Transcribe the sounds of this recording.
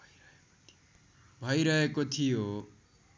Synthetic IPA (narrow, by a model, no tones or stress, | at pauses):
ɾʌeko̥t̪ʰi̥o | bʱʌjɾʌɦekot̪ʰijo